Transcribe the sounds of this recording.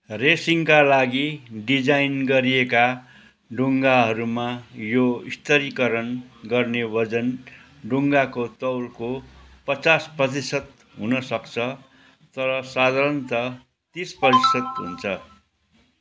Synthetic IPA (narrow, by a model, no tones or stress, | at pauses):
resiŋkalaɡiɖid͡zajnɡʌɾieka | ɖuŋɡaɦʌɾumajoist̪ʌɾikʌɾʌnɡʌrnewʌd͡zʌn | ɖuŋɡakot̪ʌwlkopʌt͡sasprʌt̪isʌt̪̚ | ɦunʌsʌkt͡sʰʌ | t̪ʌɾʌsad̪ʱaɾʌnt̪ʌ | t̪isprʌt̪isʌt̪ɦṵnt͡sʰʌ